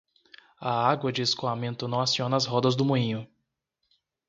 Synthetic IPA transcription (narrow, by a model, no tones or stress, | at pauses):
ɐaɡwɐd͡ʒɪeskoamẽnt̪ʊnɐ̃w̃asiõnɐːzɦɔd̪ɐzd̪ʊmuĩɲʊ